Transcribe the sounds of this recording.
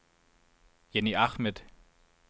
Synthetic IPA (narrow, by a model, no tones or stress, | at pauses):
jɛniaχmɛt